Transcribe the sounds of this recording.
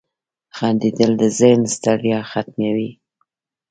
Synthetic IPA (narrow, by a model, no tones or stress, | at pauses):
xɑnd̪id̪əld̪əzənst̪aɽjɑxat̪̚mjawi